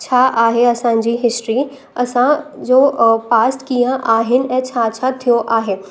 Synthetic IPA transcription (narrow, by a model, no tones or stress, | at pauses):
t͡ɕʰaːʔaːɦeɐsã̆d͡ʑiːɦɪsʈɾi | ɐsãd͡ʑoːpaːsʈkiːjə̃ʔaːɦɪnɪ̆ɛ̃ːt͡ɕʰaːt͡ɕʰat̪ʰijoʔaːɦeː